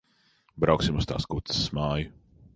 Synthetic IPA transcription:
bɾawksimʊst̪a̰ːskut̪ssmaːjʊ

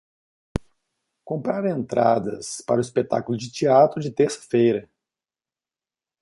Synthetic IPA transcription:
kõmpɾaɾẽnt̪ɾa̰d̪ɐ̰spaɾʊispet̪a̰kulʊd͡ʒɪt͡ʃiat̪ɾʊd͡ʒɪt̪eɾsɐ̥fejɾɐ

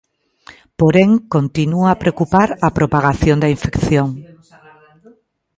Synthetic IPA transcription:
poɾeŋkont̪inuapɾeokupaɾɐpɾopaɣaθjõnd̪ɐiɱfekθjoŋ

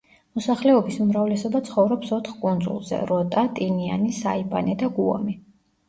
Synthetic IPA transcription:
mɔsaχlɛɔbisumɾavlɛsɔbat̪sʰχɔvɾɔpsɔt̪ʰχkʼund̪zʼṵlˠzɛ̰ɾɔt̪ʼat̪ʼinia̰nisa̰ibanɛd̪aɡuɔ̰mi

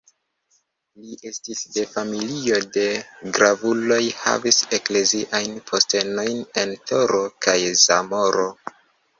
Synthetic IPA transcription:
liʔe̞stisde̞familio̞de̞ɡɾavulo̞jha̰vise̞kle̞ziʔajnpʰo̞ste̞no̞jne̞ntʰo̞ɾo̞kajzamo̞ɾo̞

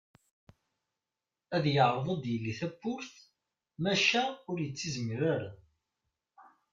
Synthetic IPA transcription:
æðjəʕðˤəd̪jəlːiθæpːʊɾθ | mæʃæʊɾjət͡sːizəmɾaɾa

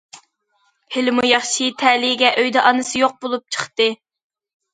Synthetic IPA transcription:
hɪlmujɑχʃit̪ʰɛlɪɡʲɛʔøjd̪ɛʔɑnɨsɨjoq̚bolˠup̚t͡ʃʰə̥χt̪ɨ

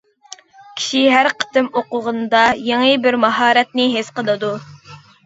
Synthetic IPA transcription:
kʲʰi̥ʃiɦæɾqʰə̥t̪ɨmoqʊʁənd̪ɑjeŋibɪɾmɑɦɑːɾɛt̪̚nɪɦesqəlˠɨd̪u

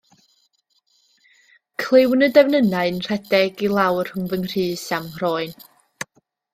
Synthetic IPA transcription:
kʰlˠɪwnədɛvnənaɨnr̥ɛdɛɡilˠawr̥hʊŋvəŋr̥iːsamrɔːɨn

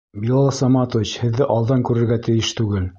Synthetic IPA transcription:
bilˠɑlˠɑsɑmɑt̪ŏvʲit͡ɕhɘ̆ðːɘʔɑlˠd̪ɑŋkʉɾɘ̆ɾɡæt̪ɘ̆jɘʃt̪ʉɡɘl

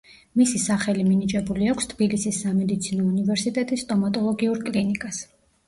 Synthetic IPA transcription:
misisaχɛliminit͡ʃʼɛbuliakʷʰst̪ʰbilisisːamɛd̪it̪sʰinɔunivɛɾsit̪ʼɛt̪ʼist̪ʼɔmat̪ʼɔlˠɔɡiuɾkʼlinikʼas

